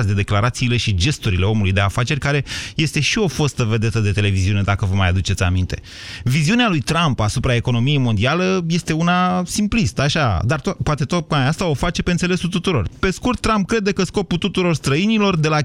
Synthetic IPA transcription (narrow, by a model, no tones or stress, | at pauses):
sʲd̪ed̪e̞klaɾat̪siːle̞ʃid͡ʒe̞st̪uɾile̞o̞mulujd̪e̞afat͡ʃe̞rʲkaɾe̞je̞st̪e̞ʃio̞fost̪əve̞d̪e̞t̪əd̪e̞t̪e̞le̞viziune̞d̪akəvəmajad̪ut͡ʃe̞t̪sʲa̰mint̪e̞̰ | viziunealujt̪ɾampasupɾae̞ko̞no̞mije̞jmo̞nd̪ialeje̞st̪e̞unasimplist̪əaʃad̪art̪pat̪e̞t̪oajast̪ao̞fat͡ʃe̞pe̞ɨnt̪sele̞sult̪ut̪uɾo̞̰rpe̞skurt̪ːɾamp̚kɾe̞d̪ekəsko̞put̪ut̪uɾo̞rst̪ɾəinilo̞rd̪e̞la